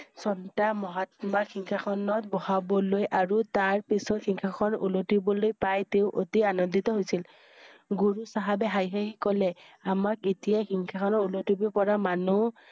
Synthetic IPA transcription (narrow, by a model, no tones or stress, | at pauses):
sɔntamɔɦatmakʰiŋkʰakʰɔnɔtbɔhabɔlojʔaɹutaɹpisɔtxʰiŋkʰakʰɔnṵlotibɔlojpajteʊʔotianɔnditɔɦojsil | ɡuɹusaɦabɛɦajɦaɦikɔlɛamaketijaxiŋkʰakʰɔnɔulotibɔpɔɹamanu